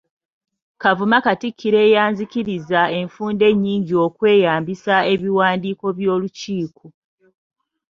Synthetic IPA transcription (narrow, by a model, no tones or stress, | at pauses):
kavumakatikʰːiɾe̞ːjaːɲziciɾizae̞ɱfuːnde̞ɲːiːɲɟio̞kwe̞ːjaːmbisae̞βiwaːndiːko̞βjo̞ːluciːko